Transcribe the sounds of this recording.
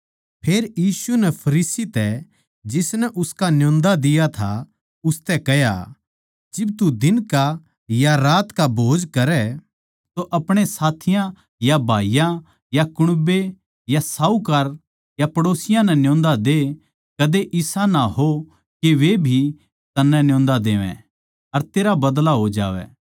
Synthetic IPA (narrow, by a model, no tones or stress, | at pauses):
pʰeːɾjiːsunɛpʰɐɾiːsit̪ɛ | d͡ʒɪsnɛʔʊskanjõːnd̪ad̪ɪjat̪ʰa̰ | ʊst̪ɛkɛja̰ | d͡ʒɪb̚t̪ud̪ɪnka | jaɾaːt̪kabʱoːd͡ʒkɐɾɛ | t̪oʔɐpɽ̃esaːt̪ʰɪjã | jabʱaːijã | jakʊɽ̃be | jasaːukɐɾ | japɐɽoːsɪjãnɛnjõːnd̪ad̪e | kɐd̪eʔɪsanaɦo | keʋebʱi | t̪ɐnːɛ̃njõːnd̪ad̪eːʋɛ̰̃ | ɐɾt̪eːɾabɐd̪laɦod͡ʒa̰ːʋɛ̰ː